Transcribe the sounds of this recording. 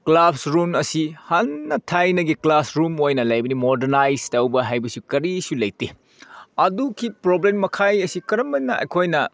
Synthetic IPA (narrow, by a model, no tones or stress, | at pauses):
klapsɾumɐsihɐnːɐtʰajnɐɡiklasɾumojnɐlɐjbɐnimodeɾnajstɐwbɐɦajbɐsukɐɾisulɐjti | ɐdukʰipɾoblemːɐkʰajɐsikɐɾɐmbɐnnːɐɐ̰jkʰojnɐ